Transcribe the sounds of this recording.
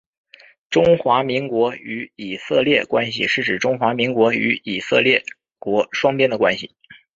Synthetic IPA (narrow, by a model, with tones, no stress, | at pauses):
ʈ͡ʂʊ˥ŋxwa˧˥mi˧˥ŋkwɔ˧˥y˧˥i˨˩sɤ˥˧ljɛ˥˩kwa˥nɕḭ˨ʂɻ̩˥˩ʈ͡ʂɻ̩˨˩ʈ͡ʂʊ˥ŋxwa˧˥mi˧˥ŋkwɔ˧˥y̰˧˥i˨˩sɤ˥˧ljɛ˥˩ | kwɔ˧˥ʂwɑ˥ŋpjɛ˥nd̪ə˨kwa˥nɕi˨˩